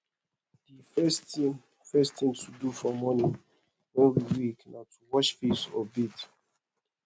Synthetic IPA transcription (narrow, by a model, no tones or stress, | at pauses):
difɛsĩ | fɛstĩŋtʰudufɔmɔnĩŋ | nõɹiwiknatʰuwɔt͡ʃfisɔ̰bit